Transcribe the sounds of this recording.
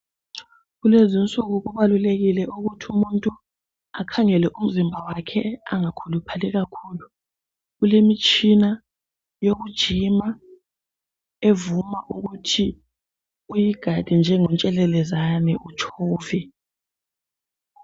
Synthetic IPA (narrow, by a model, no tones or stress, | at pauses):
ɣulezint͡sʼuɣuɣuβaluleɣilɛʔuɣutʰumuntʼu | akʰaŋɛlɛʔum̩zimbʱawakʰɛaŋakʰulupʰalɛɣakʰuːlu | ɣulemit͡ʃʼina | joɣud̥ʒ̥ʱima | evumaʔuɣutʰi | ujiɡ̥ʱad̥ʱind͡ʒʱɛŋɔnt͡ʃʼɛlɛlɛzanɛʔut͡ʃʰɔːvɛ